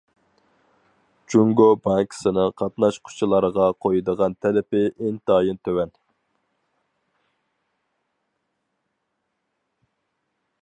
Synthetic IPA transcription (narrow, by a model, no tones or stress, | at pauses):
t͡ʃuŋɡobɑŋkʰsɨnɨqʰɑt̪nɑʃqʰʊ̥t͡ʃʰilˠɑɾəʁɑqʰojɨd̪əʁɑnt̪ʰɛlɪpɪʔɪnt̪ɑːjɨnt̪ʰøwɛn